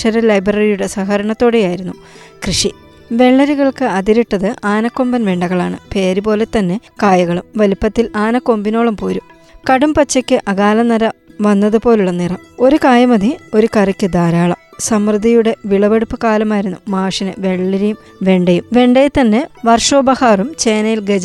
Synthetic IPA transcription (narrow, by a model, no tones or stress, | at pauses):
ʂɐɾɐlɐjbrɐɾijuɽe̞sɐxɐɾɐɳɐt̪ːo̞ːɽejaːjiɾunːu | krɨʂi | ʋe̞ɭːɐɾiɣɐɭkɨɐd̪iɾiʈːɐðɨʔaːnɐkːo̞mbɐnʋeːɳɖɐɣɐɭaːɳɨ̰pe̞ːɾupo̞ːle̞t̪ɐnːe̞kaːjɐɣɐɭumʋɐlipːɐt̪ːilaːnɐkːo̞ːmbino̞ːɭɐmpoːɾum | kɐɽumpɐt͡ɕːɐkʲːɨʔɐɣaːlɐnɐɾɐʋɐnːɐðɨpo̞ːluɭːɐniːrɐmo̞ɾukaːjɐmɐðio̞ɾukɐrikʲːɨd̪aːɾaːɭɐ̰m | sɐmrɨd̪ʱijuɽe̞ʋiɭɐʋeɽupːɨkaːlɐmaːjiɾunːumaːʂinɨʋe̞ɭːɐɾijum | ʋe̞ɳɖɐjumʋe̞ɳɖejt̪ɐnːe̞ʋɐrʂo̞ːbɐhaːrumt͡ɕe̞ːnɐjilɡed͡ʑɐ